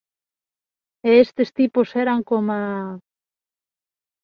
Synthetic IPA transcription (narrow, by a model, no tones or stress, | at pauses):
eest̪est̪iposeɾaŋkoma